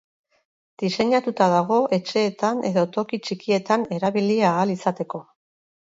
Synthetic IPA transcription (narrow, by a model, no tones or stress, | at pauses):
d̪̥ise̞ɲat̪ut̪aðaɣ̞o̞ʔe̞t͡ʃe̞ːt̪ane̞ðo̞t̪o̞kit͡ʃikie̞t̪ane̞ɾaβiliaːlisat̪e̞ko̞